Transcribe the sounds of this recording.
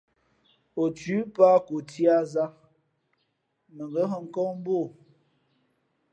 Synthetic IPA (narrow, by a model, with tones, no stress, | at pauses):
o˨tʉ˨˦pa˦ko˨ti˦a˦za˦ | mə˨ŋɡə˦ɦə˦ŋ̩˦kɔ˦m˦bo˦˨